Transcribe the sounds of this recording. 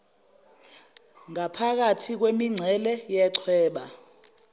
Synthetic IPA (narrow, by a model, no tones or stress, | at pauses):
ŋapʰak̬atʰik̬wemiŋ͡ǀʱɛlɛjɛǀʰwɛːɓa